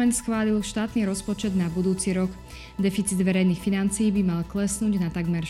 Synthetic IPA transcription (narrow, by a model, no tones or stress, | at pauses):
ɛnt̪sxʋaːlilʃt̪aːt̪niːɾɔspɔt͡ʃɛd̪nabud̪uːt͡siɾɔk | d̪ɛfit͡sid̪ʋɛɾɛjnixfinant͡sijːbimalklɛsnuːɟnat̪aɡmɛɾ